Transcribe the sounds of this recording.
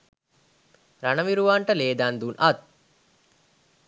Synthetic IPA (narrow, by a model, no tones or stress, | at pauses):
ɾanəʋiɾuʋaːɳʈəleːd̪aːnd̪unʔat̪̚